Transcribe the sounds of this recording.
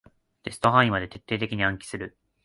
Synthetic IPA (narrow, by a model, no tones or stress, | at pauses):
t̪e̞sɨ̥t̪o̞ɦãɰ̃ĩmad̪e̞t̪e̞t̪ːeːt̪e̞kʲiɲ̟iãŋkʲi̥sɨɾɯ̟